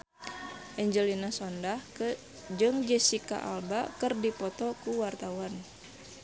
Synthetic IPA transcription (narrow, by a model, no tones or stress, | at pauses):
ʔɛɲd͡ʒəlinasɔndah | d͡ʒɨŋd͡ʒɛsika̰ʔa̰lbakɨrdipɔt̪ɔkuwart̪awan